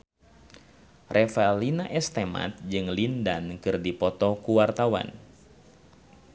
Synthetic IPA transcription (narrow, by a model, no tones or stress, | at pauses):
rʔɛfalinaʔɛst̪ema̰t̪̚d͡ʒɨŋlindankɨrdipɔt̪ɔkuwart̪awa̰n